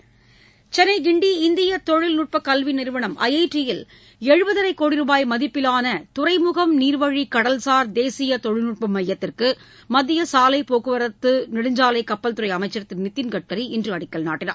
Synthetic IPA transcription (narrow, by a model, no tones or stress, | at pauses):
t͡ʃɛnɐɪɡɪɳɖiɪnd̪ɪjɐt̪ɔɻɪlnuːʈ̚pɐkːɐlʋinɪɾʋɐɳɐmʔɐ̰jɐɪʈːɪjɪl | ɛɻɯbɐðɐɾɐɪkːoːɽɪɾuːbaːjmɐðɪpːɪlaːnɐt̪ʊɾɐɪmʊɣɐmniːɾʋɐɻikɐɽɐlsaːɾd̪eːsɪjɐt̪ɔɻɪlnuʈ̚pɐmːɐjːɐt̪ːɪrkɯ | mɐðɪjɐsaːlɐɪpoːɣɯʋɐɾɐt̪ːɯnɪɽɯɲd͡ʒaːlɐɪkɐpːɐlt̪ʊɾɐɪɐmɐɪt͡ʃːɐɾɐt̪ːɪnmɪt̪ːɪnkɐʈːɐɾiɪndrɯɐɽɪkːɐɭna̰ːʈːɪnɐ̰ɾ